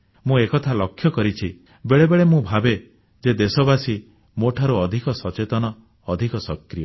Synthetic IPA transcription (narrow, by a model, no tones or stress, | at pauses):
mũekɔt̪ʰalɔkʰːjɔkɔɾit͡ʃʰi | beɭebeɭemũbʱabe | d͡ʒed̪esɔbasi | moʈʰaɾuɔd̪ʱikɔsɔt͡ʃet̪ɔnɔː | d̪ʱikɔsɔkɾijɔ